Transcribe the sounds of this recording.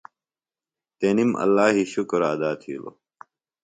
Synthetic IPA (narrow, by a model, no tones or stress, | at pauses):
t̪enimɐ̰lːaːɦiɕukɾaːd̪aːt̪ʰḭːlo̰